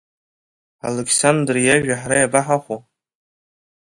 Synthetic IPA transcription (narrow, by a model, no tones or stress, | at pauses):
a̰lekʰsandrjaʒᶣaħaɾajabaħaχʷo